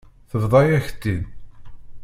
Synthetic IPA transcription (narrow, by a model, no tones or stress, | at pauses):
θəvðˤɑjæçə̥t̪ːin